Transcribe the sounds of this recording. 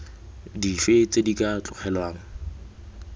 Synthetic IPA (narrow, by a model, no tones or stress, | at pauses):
difet͡sedikʼat͡ɬʼʊk͡xʰɛlwaːŋ̩